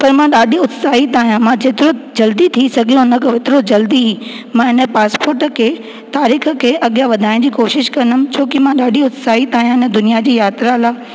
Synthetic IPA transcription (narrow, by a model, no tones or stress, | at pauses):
pɐɾmãɗaːɗʱiʊt̪saːɦit̪aːɦijãmãd͡ʑeːt̪ɪɾod͡ʑɐld̪it̪ʰisɐɡʱɪlõnəkoʋet̪ɪɾod͡ʑɐld̪iɦiː | mãɪnə̆paːspoːɾʈə̆kʰeː | t̪aːɾiːxə̆kʰeːʔɐɠijaʋɐd̪ʱaːɪɽ̃d͡ʑiːkoːʃɪʃkɐnəmt͡ɕʰoːkɪmãɗaːɖʱiʊt̪saːɦit̪aːijãɪnə̆d̪ʊnijad͡ʑiːjaːt̪ɾalaː